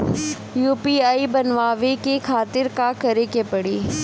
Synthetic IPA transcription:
juːpiːaːibɐnʋaːʋekekʰaːt̪ɪɾkakɐɾekepɐɽiː

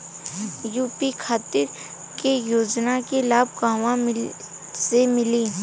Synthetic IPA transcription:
juːpikʰaːt̪ɪɾ | kejoːd͡ʒnakelaːbɡãːʋãmɪ | semɪliː

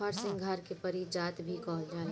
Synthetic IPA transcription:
əɾsɪ̃ŋɡɡʱaːɾkepəɾid͡ʒaːt̪bʱikɔːɦld͡ʒaː

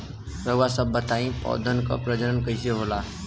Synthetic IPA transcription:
ɾəɡwasəbːət̪aĩpɔ̰ːd̪ʱənkɔ̰pɾəd͡ʒəɾənkəseɦolaː

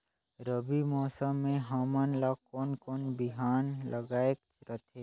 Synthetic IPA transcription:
ɾəbimɔːsəmːẽɦaːmanlaːkɔːnkɔːnbɪɦaːnlʔəɡaːekt͡ʃɾət̪ʰeː

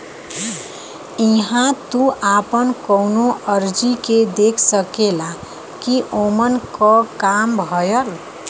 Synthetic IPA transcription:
iɦãt̪uʔapənkəwnoʔəɾd͡ʒiked̪ekʰsəkela | kiʔomənkɔkambʱʌjəl

